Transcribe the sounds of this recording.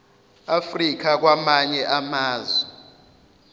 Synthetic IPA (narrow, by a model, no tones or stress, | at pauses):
afrik̬ak̬wamaɲɛʔamaːzwɛ